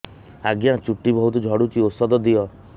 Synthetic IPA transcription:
aɡjat͡ʃuʈːibɔɦut̪ud͡ʒʱɔɽut͡ʃiosɔd̪ɔd̪iɔ

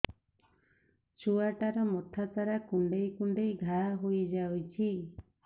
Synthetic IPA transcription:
t͡ʃuaʈaɾɔmɔt̪ʰat̪aɾakuɳɖejkuɳɖejɡʱaɦojd͡ʒawt͡ʃʰi

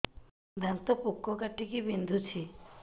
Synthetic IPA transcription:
d̪ant̪ɔpukːɔkaʈikibind̪ʱut͡ʃʰi

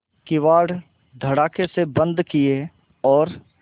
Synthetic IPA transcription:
kɪʋaːɽ | d̪ʱɐɽaːkʰesebə̃nd̪kie | ɔːɾ

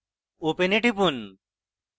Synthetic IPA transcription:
openeʈipun

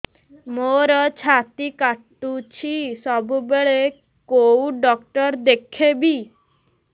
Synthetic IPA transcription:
moɾɔt͡ʃʰat̪ikaʈːut͡ʃʰisɔbubeɭe | kowɖɔk̚ʈɔɾd̪ekʰebi

